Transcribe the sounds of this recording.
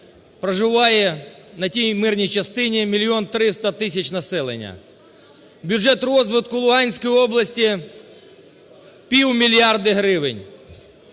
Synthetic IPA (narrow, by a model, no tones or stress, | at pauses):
pɾɐʒɪʋɑjɛnɐtʲijmɪrnʲijt͡ʃɐst̪ɪnʲimʲilʲːiɔnt̪ɾɪst̪ɐt̪ɪsʲɐt͡ʃnɐsɛlˠḛnʲːɐ̰ | bʲʊʐɛt̪rɔzʋɪd̪kʊlˠʊɦɑnʲsʲkɔjiɔblˠɐsʲtʲi | pʲiwmʲilʲjɑrd̪ɪɦɾɪʋɪnʲ